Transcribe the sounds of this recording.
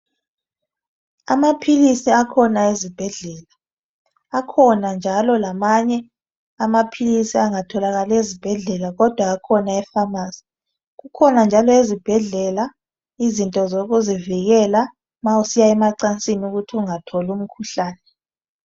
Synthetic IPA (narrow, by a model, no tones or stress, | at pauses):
amapʰilisiakʰɔnaezib̥ʱɛɮɛːlaː | kʰɔnand͡ʒʱalɔlamaɲɛ | amapʰilisiaŋatʰɔlaɣalezib̥ʱɛɮɛlaɣɔd̥ʱwaːkʰɔnaɛfamaːsi̥ | ɣukʰɔnand͡ʒʱalɔezib̥ʱɛɮɛla | izintʼɔzoɣuziviɣɛla | mausijaɛmaǀant͡sʼinuɣutʰiuŋatʰɔlum̩kʰuɬaːnɛ